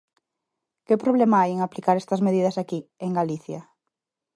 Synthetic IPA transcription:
kepɾoβ̞lemɐajeŋaplikaɾɛst̪ɐzmeðið̞ɐsakieŋɡaliθjɐ

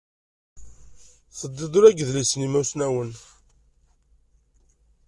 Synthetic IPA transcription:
θəd̪ːid̪ˤuɾæɡəðlisnimæwsnæwən

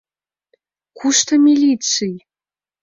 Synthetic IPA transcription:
kʰuʃt̪əmʲilʲit̪t͡sɨj

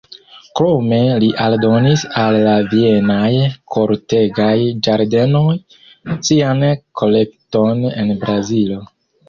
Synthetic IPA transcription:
kɾo̞me̞liʔaldo̞nisalːavie̞najkʰo̞ɾte̞ɡajd͡ʒaɾde̞no̞j | siankʰo̞lek̚to̞ne̞̰nbɾazilo̞

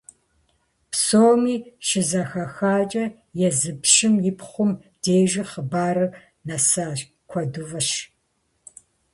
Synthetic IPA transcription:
psoːmiːʃɪzɐxɐxaːt͡ʃʼɐ | jɛzɨpʃɪmjɪpχʷʊm | d̥eːʒɐχəbaːɾɨ | nɐsaː | kʷʰɔduvɐʃ

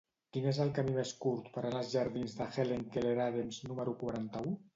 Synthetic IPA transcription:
kinezəlˠkamimeskuɾt̪pəɾanalˠzʒəɾðinzðəxeleŋkeleɾaðemznuməɾukwaɾant̪əu

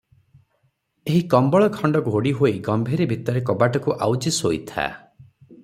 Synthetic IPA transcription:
eɦikɔmbɔɭɔkʰɔɳɖɔɡʱoɽiɦoiɡɔmbʱeɾibʱit̪ɔɾekɔbaʈɔkuʔawd͡ʒisoit̪ʰa̰

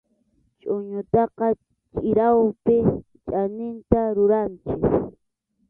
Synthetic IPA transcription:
t͡ʃʼʊɲʊt̪ɑqɑ | t͡ʃʼɪɾawpɪ | t͡ʃʼanɪnt̪aɾʊɾant͡ʃɪk

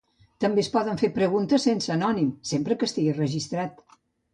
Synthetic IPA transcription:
t̪əmbespɔðəɱfepɾəɣunt̪əsensəːnɔnimsempɾəkəst̪iɣirəʒist̪ɾat̪

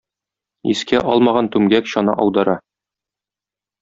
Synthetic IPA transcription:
ḭskæʔɒlˠmɑʁɑnt̪ʉmɡækɕɒnɑ̰ʔɒwd̪ɤɾɑ

